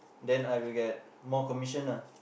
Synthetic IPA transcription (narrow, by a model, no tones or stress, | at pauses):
dɛ̃najwilɡɛt̚ | mɔkɔmiʃənə